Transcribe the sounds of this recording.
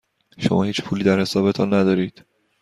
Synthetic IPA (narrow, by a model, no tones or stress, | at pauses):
ʃomʔɒːhiːt͡ʃpʰuːliːd̪æɾhe̞sɒːbe̞t̪ʰɒnːæd̪ɒːɾiːd̪̥